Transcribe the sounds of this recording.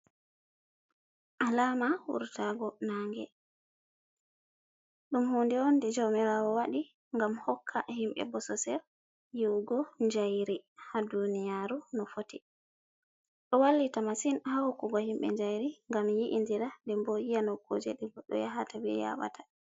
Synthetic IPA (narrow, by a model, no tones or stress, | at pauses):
ʔalamawṵɾtaɡɔnaːŋɡɛ | ɗumhondɛɔndɛd͡ʒɔmɛɾawɔwaɗi | ŋɡamhɔkʰːaʔhimɓɛ̰bɔsɔsɛɾ | jiwɡɔɲd͡ʒajɾihadunijaɾunɔfoti | ɗɔwalːitamasinhahukːuɡɔhimɓɛ̰ɲd͡ʒajɾiŋɡamjiʔindiɾadɛmbɔjijanɔkːod͡ʒɛ̰ɗɛɡɔɗɔ̰jaɦatabɛ̰ja̰wa̰tḁ